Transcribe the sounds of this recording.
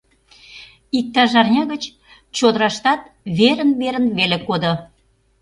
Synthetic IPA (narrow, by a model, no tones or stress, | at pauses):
ik̚t̪ɑʒɑrnʲɑɣət͡ɕ | t͡ɕod̪əɾɑʃt̪ɑt̪̚ | βeɾənβeɾənβelekod̪ŏ